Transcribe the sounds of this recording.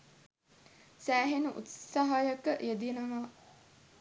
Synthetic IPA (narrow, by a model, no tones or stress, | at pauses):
sæːɦenuʔṵt̪saɦajɐkəʔjed̪ienəʋaː